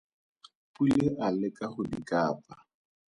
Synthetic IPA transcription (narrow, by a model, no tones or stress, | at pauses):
pʼulɪʔalɪkʼaχʊdikʼaːpʼa